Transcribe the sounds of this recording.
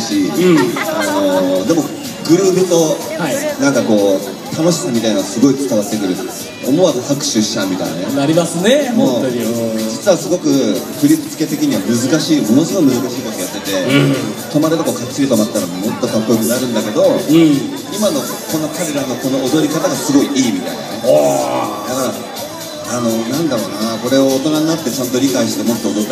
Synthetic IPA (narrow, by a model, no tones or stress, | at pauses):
ɕi | ano̞d̪e̞mo̞ | ɡɯ̟ɾɯ̟ːbɯt̪o̞ainãŋkako̞ː | t̪ʰano̞ɕi̥samʲit̪ainaasɨɡo̞it͡sɨ̥kaβat̪ːe̞kɯ̟ɾɯ̟ | o̰mo̞βakohakɯ̟̥ɕɨɕamʲit̪a̰ḭnenaɾʲimasɨnemo | d͡ʑit͡sɨβasɨɡo̞kɯ̟kɯ̟ɾʲipɯ̟̥t͡sɨ̥ke̞t̪e̞kʲiɲ̟iβamɯ̟zɨkaɕiːmo̞no̞sɨɡoimɯ̟zɨkaɕiːt̪okʲojat̪ːe̞t̪e̞t̪o̞maɾɯt̪okokat͡sːiɾʲit̪omat̪ːaɾammo̞t̪ːot̪apːokɯnaɾɯ̟̃nd̪ake̞d̪o̞ | imano̞ | ko̞no̞kaɾe̞ɾano̞ko̞no̞ːd̪o̞ɾʲikat̪aɡasɨɡo̞iʔiːmʲit̪a̰ina̰ne̞ | k̪aɾa | ano̞nãnd̪aɾo̞ːnako̞ɾe̞o̞ːt̪o̞naɲinat̪ːe̞t͡ɕãnt̪o̞ɾʲikaiɕi̥t̪e̞mo̞t̪ːo̞ːd̪o